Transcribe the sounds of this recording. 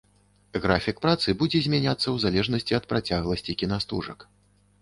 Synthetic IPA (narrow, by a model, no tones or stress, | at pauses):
ɣɾafʲik̚pɾat̪sɨbud͡zʲɛzʲmʲɛnʲat̪sːɐwzalʲɛʐnɐsʲt͡sʲiɐt̪̚pɾat͡sʲaɣlˠɐsʲt͡sʲikʲinast̪ṵʐɐ̰k